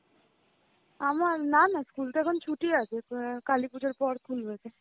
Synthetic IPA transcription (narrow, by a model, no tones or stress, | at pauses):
amananaskult̪akʰɔnt͡ʃʰuʈiasʰekalipud͡ʒɔɾpɔɽkʰulbesʰe